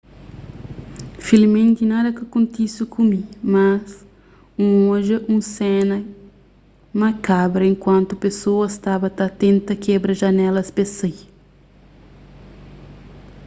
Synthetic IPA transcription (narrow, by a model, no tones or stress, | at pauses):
filimẽnt̪inad̪ɐkɐkũnt̪isukʰumimas | ũõʒɐʔũsɛnɐ | mɐkabɾɐẽŋkwɐ̃nt̪upesoɐst̪abɐt̪at̪ẽnt̪ɐkʰɛbɾɐʒɐnɛlɐspesej